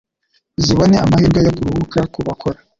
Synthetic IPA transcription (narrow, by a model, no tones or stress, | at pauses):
ziβoneamahiːɾɡajoɡuɾuhukaɾkuβakʰoɾa